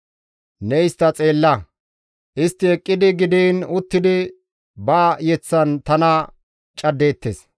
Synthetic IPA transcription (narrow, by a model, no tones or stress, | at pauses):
nɛjst̪ːɐt͡sʼe̞ːlːɐ | ʔɪst̪ːɪɛkʼːɪd̪ɪɡɪd̪iːnʊt̪ːɪd̪ɪ | baːjɛt͡sːɐnt̪ɐnɐ | t͡ʃʼɐd̪ːe̞ːt̪ːes